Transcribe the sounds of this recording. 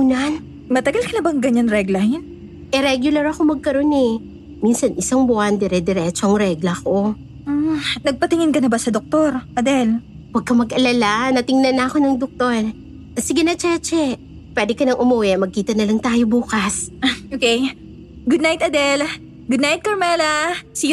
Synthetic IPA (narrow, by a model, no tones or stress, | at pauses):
uːnan | mɐt̪ɐɡɐlkɐnɐbɐŋɡɐɲanɾɛɡlɐhɪn | ʔɛɾɛɡjʊlɐɾɐko̞mɐɡ̚kɐɾo̞nɛ | minsɐnʔɪsaŋbʊand̪ɛɾɛd̪ɛɾɛt͡ʃoɐŋɾɛɡlɐko̞ | nɐɡ̚pɐt̪ɪŋɪnkɐnɐbasɐd̪ok̚t̪oɾʔɐd̪ɛl | wɐɡ̚kɐmɐɡʔɐlalanɐt̪ɪŋnɐnːɐɐko̞nɐŋd̪ok̚t̪o̞ɹ | ɐsɪɡɐnɐt͡ʃɛt͡ʃɛ | pwɛːd̪ɪkɐnɐŋʔʊmuwɛmɐɡ̚kiːt̪ɐnɐlɐŋt̪aːjo̞buːkɐsʔokɛj | ɡʊd̪najt̪ɐd̪ɛl | ɡʊd̪najt̪̚kɐɹmɛlɐsi